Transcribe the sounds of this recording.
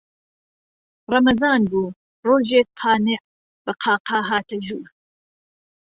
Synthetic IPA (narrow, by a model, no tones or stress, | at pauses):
rɑmɐzɑːnbuː | roːʒeːk̚qʰɑːneʔ | bɐqʰɑːqɑːɦaːt̪ʰɐʒuːɾ